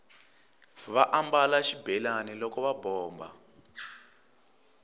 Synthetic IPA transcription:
βaʔambalaʃibɛlanilɔkɔβabɔːmba̰

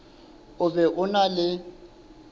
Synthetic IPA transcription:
ʊbɛʔʊnalɪ

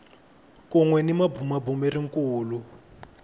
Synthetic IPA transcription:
kuŋwɛnimabʱumabumɛriŋkuːlu

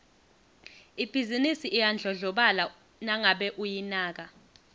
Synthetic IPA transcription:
ib̥ʱizinisiʔijand͡ɮʱɔɮɔɓala | naŋaɓɛʔujinaːk̬a

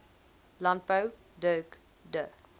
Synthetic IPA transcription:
lan̚pəw | dəːk | də

